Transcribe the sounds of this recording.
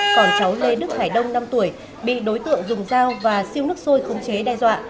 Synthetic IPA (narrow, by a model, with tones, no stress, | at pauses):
kɔ˧˩nt͡ɕa˨˦wle˧ɗɨ˦˥k̚haː˧˩jɗə˧wŋ͡mna˧mt̪u˧˩əj | ɓḭ˧˨ɗo˨˦jt̪ɨ̰˧˨əŋzʊ˨˩ŋ͡mzaː˧wvaː˨˩si˧əwnɨ˦˥ək̚so˧jxə˨˦wŋ͡mt͡ɕe˨˦ɗaː˧jzwa̰ː˧˨